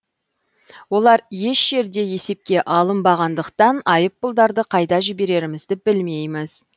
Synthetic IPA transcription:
wo̞lˠɑɾje̞ʃʒ̥e̞ɾd̪e̞je̞se̞p̚kʲe̞ʔɑlˠəmbɑʁɑnd̪əqt̪ɑnɑjəp̚bʊlˠd̪ɑɾd̪əqʰɑjd̪ɑʒɪbe̞ɾe̞ɾɪmɪzd̪ɪbɪlme̞jmɪz

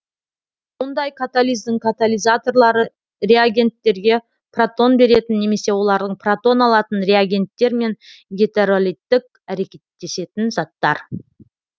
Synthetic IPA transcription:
wo̞nd̪ɑjkʰat̪alʲijzd̪ɪŋkʰat̪alʲˠijzat̪o̞rlˠɑɾə | re̞aɡʲe̞nt̪ːe̞ɾɡʲe̞ | pʰrat̪o̞nbe̞ɾe̞t̪ɪnːe̞me̞se̞wo̞lˠɑɾd̪əɴpʰrat̪o̞nɑlˠɑt̪ənɾʲeaɡʲe̞nt̪ːe̞ɾme̞nɡʲet̪eɾolʲˠijt̪ːɪk̚ | æɾe̞kʲe̞t̪ːe̞se̞t̪ɪnzɑt̪ːɑ̰ɾ

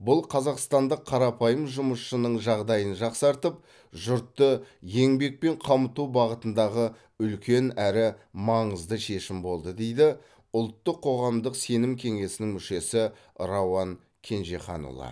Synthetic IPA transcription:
bʊlˠqʰɑzɑqst̪ɑnd̪əqʰːɑɾɑpʰɑjəmʒʊməsʃənəɴʒɑʁd̪ɑjənʒɑqsɑɾt̪əp̚ | ʒʊɾt̪ːəje̞ŋbe̞k̚pe̞ɴqʰɑmət̪ubɑʁət̪ənd̪ɑʁə | ʏlkʲe̞næɾɪmɑɴəzd̪əʃe̞ʃɪmbo̞lˠd̪əd̪e̞jd̪ɪ | ʊlˠt̪ːəqʰːo̞ʁɑmd̪əqse̞nɪmkʲʰe̞ŋe̞sɪnɪŋmʏʃe̞sɪ | ɾawɑŋ | kʲʰe̞nʒe̞χɑ̰nṵlˠɑ̰

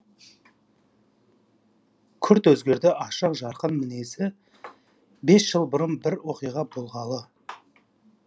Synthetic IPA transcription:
kʲʰʏɾt̪wɵzɡʲe̞ɾd̪ɪʔɑʃəqʒɑɾqənmɪne̞sɪ | be̞sʒ̥əlˠbʊɾənbɪɾwo̞qijʁɑbolˠʁɑlˠə

